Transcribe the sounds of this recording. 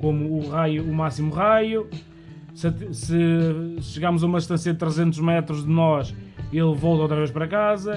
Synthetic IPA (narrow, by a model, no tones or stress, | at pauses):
komuːʁajuːmasimuʁaju | sɐt̪sɨʃɨɣaɾmʊzɐumɐðʃt̪ɐ̃siɐðɨt̪ɾɨzẽnt̪uʒmɛt̪ɾuʒðɨnɔʃelˠvɔlˠt̪ɐot̪ɾɐveʃpɐɾɐkazɐ